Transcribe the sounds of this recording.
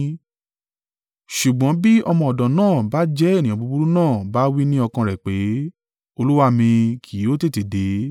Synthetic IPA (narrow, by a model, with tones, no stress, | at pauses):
ʃu˨ɡ͡bɔ̃˨˦bi˦ɔ˧mɔ̃˧ɔ˨dã˨nãː˦˨ba˦d͡ʒɛ˦˨nĩ˨jã˨bu˧bu˦ɾu˦nãː˦˨ba˦wi˦nĩ˦ɔ˧kã˧ɾɛ˨k͡pe˨˦ | o˧lu˦wa˦˨mĩ˧kʰi˨˦o˦te˦˨te˨de˨˦